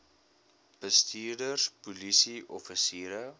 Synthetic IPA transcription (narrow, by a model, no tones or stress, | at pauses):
b̥əstʰiːrdərspulisiʔɔfisiːɾə